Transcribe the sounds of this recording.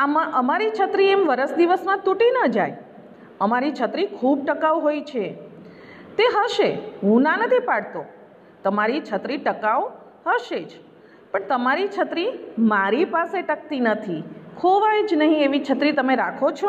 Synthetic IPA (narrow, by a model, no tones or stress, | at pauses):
amaʔəmaɾit͡ʃʰət̪ɾiemʋəɾəsd̪iʋəsnãt̪uʈinəd͡ʒaj | əmaɾit͡ʃʰət̪ɾikʰub̚ʈəkaʋɦojt͡ʃʰe | t̪eɦəʃeɦũnanət̪ʰipaɽt̪o | t̪əmaɾit͡ʃʰət̪ɾiʈəkaʋ | həʃed͡ʒ | pəɳt̪əmaɾit͡ʃʰət̪ɾimaɾipaseʈək̚t̪inət̪ʰikʰoʋajd͡ʒnəɦĩeʋit͡ʃʰət̪ɾit̪əmeɾakʰot͡ʃʰo